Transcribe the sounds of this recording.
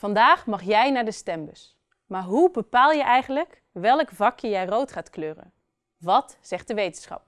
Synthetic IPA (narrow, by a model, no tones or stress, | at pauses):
v̥ɑndaːχmɑχjɛjnaːɹdəstɛmbəs | maːɹɦubəpaːlˠjəʔɛjχənlək | ʋɛlkvɑkjəjɛjrowtχaːtkløːrə̰n | ʋɑt | z̥ɛχt̚dəʋejtənsχɑ̰p̚